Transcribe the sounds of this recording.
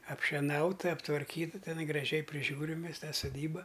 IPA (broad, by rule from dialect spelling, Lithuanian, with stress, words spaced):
ɐpʲʃʲɛˈnɐʊtɐ ɐptʋɐrʲˈkʲiːtɐ tʲɛˈnɐɪ ɡrɐˈʒʲɛɪ pʲrʲɪˈʒʲuːrʲɪm ˈmʲɛs ˈtɑː soːˈdʲiːbɐ